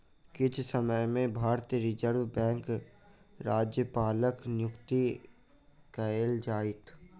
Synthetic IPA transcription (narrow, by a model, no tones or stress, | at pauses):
kɪt͡ʃʰsəməjmẽbʱaːɾt̪ijəɾɪd͡ʒəɾʋbɛ̃ːŋk | ɾaːd͡ʒjəpaːləknjʊkt̪i | kəeld͡ʒaːɪt̪ʰ